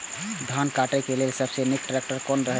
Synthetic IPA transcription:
d̪ʱankaʈɛkelelsəbsenik̚ʈɾɛk̚ʈəɾkɔnɾəɦ

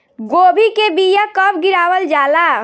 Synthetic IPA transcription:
ɡobʱikebijakəb̚ɡiɾabəld͡ʒala

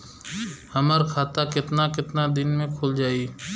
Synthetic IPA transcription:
hɐməɾkʰaːt̪akɪt̪nakɪt̪nad̪ɪnmẽkʰʊld͡ʒaːi

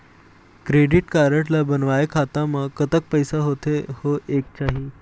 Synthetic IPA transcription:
kɾeɖiʈkaɾəʈlabənʋajkʰat̪aməkːət̪ək̚pəjsaɦot̪ehoʔek̚t͡ɕaɦi

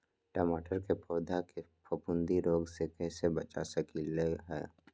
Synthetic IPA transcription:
ʈəmaːʈəɾkepɔːd̪ʱakepʰɐpʊ̃nd̪iɾoːɡsekɛːsebɐt͡ʃa̰səkileɦɛː

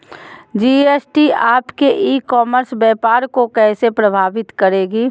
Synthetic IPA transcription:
d͡ʒiːeːsʈiaːpkeʔiːkɔːməɾsbɛːpaːɾkokɛːsepɾəbʱaːʋɪt̪kɐɾeːɡiː

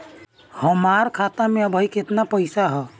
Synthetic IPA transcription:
həmaɾkʰat̪amẽəbʱəiket̪napəɪsaɦɛ

